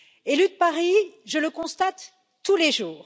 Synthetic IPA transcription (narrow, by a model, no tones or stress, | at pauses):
elyd̪̚paʁiʒələkɔ̃st̪at̪ː | uleʒuːʁ